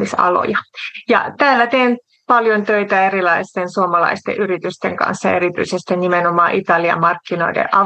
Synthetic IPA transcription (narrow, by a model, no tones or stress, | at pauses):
isɑ̰lo̰jɑjɑ̰t̪æːlːæt̪eːn | pɑljont̪øit̪æerilɑist̪ensuomɑlɑ̰ist̪ḛʔyɾit̪yst̪eŋkɑ̰nsːɑeɾit̪y̰isest̪ennimenomɑːʔit̪ɑliɑ̰mɑrkːinoidḛʔʔɑ